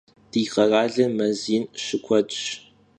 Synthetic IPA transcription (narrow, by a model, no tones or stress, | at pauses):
d̥iːqɐraːɮɐmɐziːnʃɪkʷʰɔd͡ʒʼɕ